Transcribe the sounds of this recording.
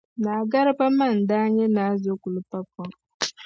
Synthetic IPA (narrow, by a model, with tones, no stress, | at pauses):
na˨ɡa˦ɾɪ˦pa˦ma˦˨n̩˨da˦ɲɛ˦na˨˦zo˦ku˨lʊ˦pa˦pɔ˦ŋ